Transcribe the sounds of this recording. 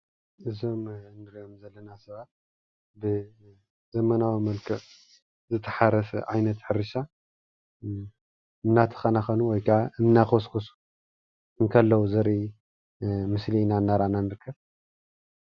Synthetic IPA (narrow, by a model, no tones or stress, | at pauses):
ʔɨzo̞mnɨɾiomzɐlːɐnasɐβat̪̚ | bɨ | zɐmɐnawimɐlkʰɐʔ | zɨt̪ʰːɐ̥ħaɾɐsɐʕajnɐt̪ħɨɾɨʃa | ɨmnat̪ʰɐ̥xɐnaxɐnuwɔjkʰaʕaʔɨmnaxoskʰosu̥ | ɨŋkʰɐlːɐwuzɐɾi | mɨslinanːaɾananɨɾkʰːɐβ